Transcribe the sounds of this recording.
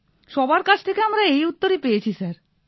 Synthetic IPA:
ʃɔbaɾkat͡ɕʰt̪ʰekeamɾaejut̪ːoɾipejet͡ɕʰisaɾ

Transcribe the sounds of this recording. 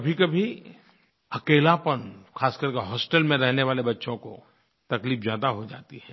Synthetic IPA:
kɐbʱikɐbʱi | ɐkeːlapənxaːskəɾkeɦɔːsʈəlmẽɾɛɦneʋaːlebɐtːʃõko̰ | t̪ɐkliːfzjaːd̪aɦod͡ʒa̰ːt̪iɦɛː

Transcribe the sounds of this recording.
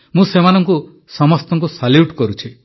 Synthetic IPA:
mũsemanɔŋku | sɔmɔst̪ɔŋkusaljuʈkɔɾut͡ʃʰi

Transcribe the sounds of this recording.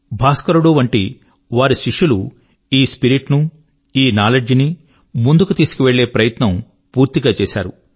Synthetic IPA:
bʱaːskɐɾuɽuːʋɐɳʈi | ʋaːɾuʃiʂulu | iːspiɾiʈnu | iːnaːlɐd͡ʒini | mund̪ukut̪iːsu̥kiʋe̞ɭːe̞ːpɾɐjɐt̪nɐm | puːɾt̪iɡaːt͡ʃeːʃa̰ːɾu

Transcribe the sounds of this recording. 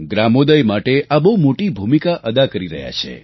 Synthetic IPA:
ɡɾamod̪əjmaʈeabowmoʈibʱumikaʔəd̪akəɾiɾə̰ɦja̰t͡ʃʰḛ

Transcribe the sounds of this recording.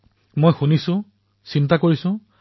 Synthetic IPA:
mojxunisʊ̃ | sintakoɹisʊ̃

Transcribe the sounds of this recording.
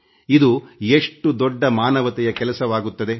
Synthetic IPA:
id̪ueʂʈud̪ɔɖːɐmaːnɐʋɐt̪ɛjɐkɛlɐsɐʋaːɡut̪ːɐd̪e

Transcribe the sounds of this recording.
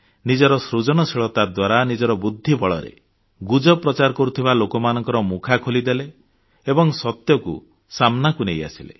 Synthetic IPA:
nid͡ʒɔɾɔsɾud͡ʒɔnɔsiɭɔt̪ad̪waɾanid͡ʒɔɾɔbud̪ʱːibɔɭɔɾḛ | ɡud͡ʒɔpɾɔt͡ʃaɾɔkɔɾut̪ʰibalokɔmanɔŋkɔɾɔmukʰakʰolid̪ele | ebɔŋsɔt̪jɔkṵ | samnakuneja̰silḛ

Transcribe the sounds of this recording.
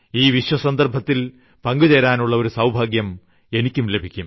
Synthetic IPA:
iːʋiɕwɐsɐnd̪ɐrbʱɐt̪ːil | pɐŋɡut͡ɕɐɾaːnuɭːɐo̞ɾusɐwbʱaːɡjɐm | e̞nikʲːumle̞bʱikʲːum

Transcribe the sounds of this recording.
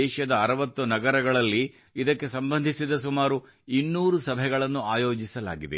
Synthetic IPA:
ɛːʃɐd̪ɐɐɾɐʋɐt̪ːunɐɡɐɾɐɡɐɭɐlːi | id̪ɐkːe̞sɐmbɐnd̪ʱisid̪ɐsumaːɾu | inːuːɾusɐbʱɛɡɐɭɐnːuaːjoːd͡ʒisɐla̰ːɡid̪e

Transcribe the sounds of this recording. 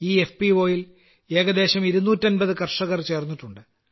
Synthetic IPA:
iːefpiʋo̞ːjil | e̞ːɡɐd̪e̞ːɕɐmiɾunːuːtːɐnbɐðɨkɐrʂɐɣɐrt͡ɕe̞ːrnːiʈːuɳɖɨ

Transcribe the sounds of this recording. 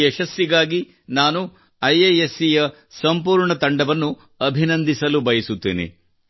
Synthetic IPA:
eʃɐsːiɡaːɡi | naːnu | ɐjejesːijɐ | sɐmpuːɾɳɐt̪ɐɳɖɐʋɐnːu | ɐbʱinɐnd̪ʱisɐlubɐjɐsut̪ːeːnḛ

